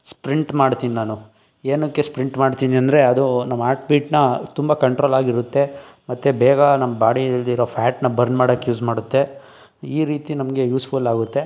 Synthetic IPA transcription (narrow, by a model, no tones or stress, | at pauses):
spɾiɳʈmaːɽt̪iːninaːnu | eːnɐkːespɾiɳʈmaːɽt̪iːniɐnd̪ɾe̞ɐd̪unɐmːaːʈ̚biːʈnɐt̪umbɐkɐɳʈɾoːlaːɡiɾut̪ːe̞mɐt̪ːebɛːɡɐnɐmːɐbaːɽid̪ɐlːiiɾopʰaːʈnɐbɐɾnmaːɽɐkjuːsmaːɽut̪ːe̞ | iːɾiːt̪inɐmɐɡe̞juːsfʰulaːɡut̪ːe̞